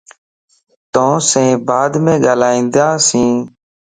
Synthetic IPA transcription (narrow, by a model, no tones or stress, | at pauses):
t̪õːsẽːbaːd̪mẽːɠaːlaːĩːnd̪jãːsĩː